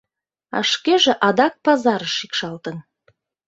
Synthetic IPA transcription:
ɑ̰ʃkeʒĕʔɑd̪ɑk̚pɑzɑɾəʃikʃɑlt̪ə̆n

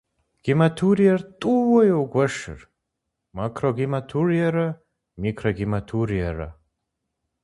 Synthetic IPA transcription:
ɡ̥imatʰuɾijɐrtʼuwɐjowɡʷɐʂɨ̰r | makʰroɡimatʰurijɐɾɐ | mikʰroɡimatʰuɾijɐrɐ̰

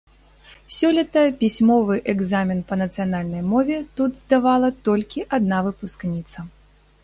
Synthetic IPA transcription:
sʲɔlʲit̪ɐpʲisʲmɔvɨʔɛɡzamʲinpɐnɐt̪sɨjanalʲnɐjmɔvʲɛt̪ud̪zd̪avalˠɐt̪ɔlʲkʲiʔad̪navɨpusknʲit̪sɐ

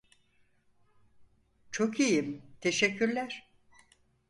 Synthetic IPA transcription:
t͡ʃʰokʰijimt̪ʰeʃɛcːyɾlʲæɾ̥

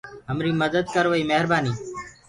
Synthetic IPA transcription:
ɦəmɾiːməd̪əd̪̚kəɾʋəiːməɦɾbaːniː

